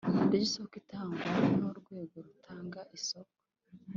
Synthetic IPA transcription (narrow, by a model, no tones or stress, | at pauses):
diɟisokitʰaːŋɡwanoɾɡwe̞ːɡo̞ɾutʰaːŋɡaʔisoko